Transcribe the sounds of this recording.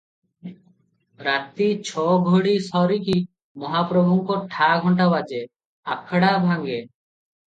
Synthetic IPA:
ɾat̪ːit͡ɕʰɔɡʱoɽisɔɾiki | mɔɦapɾobʱuŋkoɾʈʰaɡʱɔɳʈabad͡ʑe | akʰːaɽabʱaŋɡe

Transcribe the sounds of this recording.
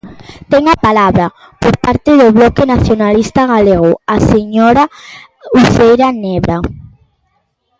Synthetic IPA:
t̪ɛŋapalaβɾa | poɾpaɾt̪ɪðoβlɔkenaθjonalist̪aɣaleɣoaseɲoɾa | uθejɾaneβɾa

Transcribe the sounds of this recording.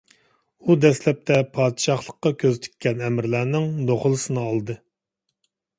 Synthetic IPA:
ud̪ɛslɛp̚t̪ʰɛpʰɑːd̪ɨʃɑχlˠəqːɑkʲʰøzt̪ʰɪ̥kʲʰːɛnɛmɾlæːnɪŋd̪oχʊlˠɨsɨnɨɑlˠd̪ɨ

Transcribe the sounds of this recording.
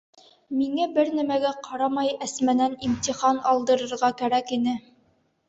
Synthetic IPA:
miŋæbɘɾnæmæɡæqʰɑɾɑmɑjɘ̆smænænimt̪ʲiχɑnɑlˠd̪ɤ̆ɾɤ̆ɾʁɑkæɾækinɘ

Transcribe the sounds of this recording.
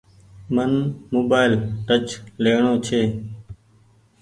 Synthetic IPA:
mənmoːbaːɪlʈət͡ʃleːɳoːt͡ʃʰeː

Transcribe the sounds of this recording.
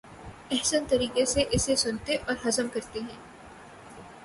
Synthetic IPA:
ɛɦsənt̪ɐɾiːqeseʔɪsesʊnt̪eʔɔːɾɦɐzəmkɐɾt̪eɦɛ̃ː

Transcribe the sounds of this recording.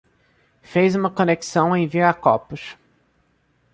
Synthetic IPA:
fejzũmɐkoneksɐ̃w̃ẽj̃viɾakɔpʊʃ

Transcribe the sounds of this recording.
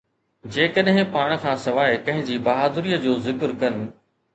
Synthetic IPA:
d͡ʑeːkəɗɦɪ̃paːɽ̃ə̆kʰãːsɐʋaːɪpɐ̃ɦɪ̃ɲd͡ʑibɐɦaːd̪ɾiːəd͡ʑoːzɪkɾkɐnɪ̆

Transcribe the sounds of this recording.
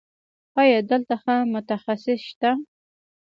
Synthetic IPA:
ɑjɑd̪əlt̪axəmʊt̪axasɪsʃt̪a

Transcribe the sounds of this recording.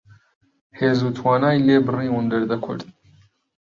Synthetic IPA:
heːzuːt̪ʰwaːnaːjleːbɨrĩːwʊnd̪ɛɾd̪ɐkʰʊ̰ɾt̪̚

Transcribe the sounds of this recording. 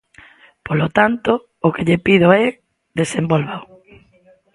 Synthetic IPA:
polot̪ant̪o | ʊkeʎepiðoɛ | ðesembolβaw

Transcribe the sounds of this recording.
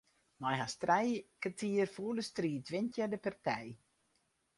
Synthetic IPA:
nɔjɦastrɛjkətʰiərfuərdəstriːtʋɪntjadəpartʰɛj

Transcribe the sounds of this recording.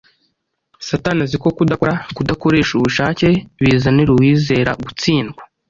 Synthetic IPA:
satanaziko̞kudakoɾakudako̞ɾe̞ːʃuβuʃaːce̞βiːzaneɾuwiːze̞ːɾa̰ɡut͡siːnɡwḁ

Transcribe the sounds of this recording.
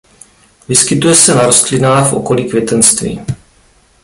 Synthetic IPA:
vɪskɪt̪ujɛsɛnaɾost̪lɪnaːxfʔo̞̰ko̞liːkvjɛt̪ɛnst̪vḭː

